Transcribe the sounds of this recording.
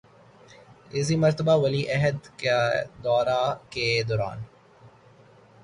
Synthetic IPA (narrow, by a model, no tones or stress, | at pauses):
ɪzimɐɾt̪əbaːwɐliːʔɐɦəd̪kad̪ɔːɾaked̪ɔɾa̰ːn